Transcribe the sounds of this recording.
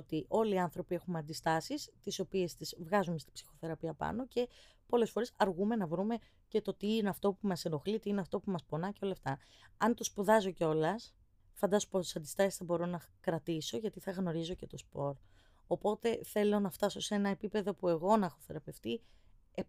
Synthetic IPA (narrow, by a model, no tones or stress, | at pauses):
ot̪iʔo̞liɐnθɾo̞pie̞xumɐnd̪ist̪ɐsist̪iso̞pie̞st̪izvɣɐzumest̪ib̥si̥xo̞θe̞ɾɐpiɐpɐ̰no̞ce̞po̞le̞sfo̞ɾe̞sɐɾɣume̞nɐvɾume̞ | ce̞t̪o̞t̪iineɐft̪o̞pumɐseno̞xlit̪iineɐft̪o̞pumɐspo̞nɐce̞o̞lɐːft̪ɐ | ɐnt̪o̞spuðɐzo̞ceo̞lɐs | fɐnd̪ɐsopost̪i̥sɐnd̪ist̪ɐsi̥sθɐbo̞ɾo̞nɐkɾɐt̪iso̞ʝɐt̪iθɐɣno̞ɾizo̞ce̞t̪o̞spo̞ɾ | o̞po̞t̪e̞θe̞lo̞nɐft̪ɐso̞see̞nɐepipe̞ðo̞pue̞ɣonɐxo̞θe̞ɾɐpe̞ft̪i | e